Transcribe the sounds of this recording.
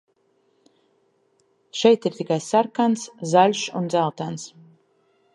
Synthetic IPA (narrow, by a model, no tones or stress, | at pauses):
ʃɛjt̪iɾt̪ʲikajsaɾkanszalʲʃund̪zælˠt̪ans